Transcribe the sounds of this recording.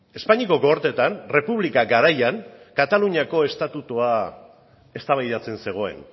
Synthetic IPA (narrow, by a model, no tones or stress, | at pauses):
e̞spaɲiko̞ɡooɾt̪e̞t̪anre̞puβlikaɡaɾajaŋkat̪aluɲiako̞e̞st̪at̪ut̪ua | e̞st̪aβajðat͡se̞nse̞ɣ̞o̞e̞̰n